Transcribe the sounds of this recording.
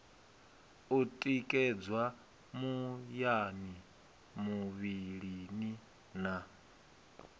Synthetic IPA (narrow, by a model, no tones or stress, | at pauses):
utʼikʼɛd͡zwa | mujani | muβiɺini | na